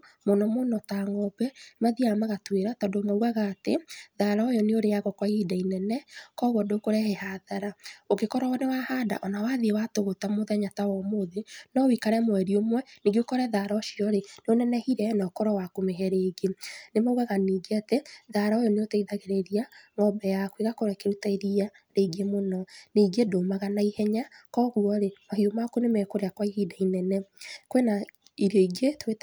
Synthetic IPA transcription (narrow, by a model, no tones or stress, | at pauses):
monɔmonɔtaŋɔbɛmaðiamaɣatweɾatɔdomauɣaɣaːtḛðaɾaojɔneoɾejaɣɔkwaidainɛnɛkɔɣɔdokoɾɛhehaðaɾaoɡekɔɾɔwɔnewahada̰ʔɔnawaðiewatoɣotamoðɛɲatawɔmoðenɔwikaɾɛmwɛɾiomwɛniɡokɔɾɛðaɾɔʃiɔɾeneonɛnɛhiɾɛnaɔkɔɾɔwakomeɦɛɾeːɡenemauɣaɣaniɡeatɛðaɾaojɔneotɛiðaɣeɾeɾiaŋɡɔbɛjakwiɣakoɾɛkeɾutaeɾia | ɾeɡemonɔniːɡedomaɣanaihɛɲakɔɣuɔɾemahiomakonemɛkoɾeakwaihidainɛnɛkwena | iɾɔiɡetet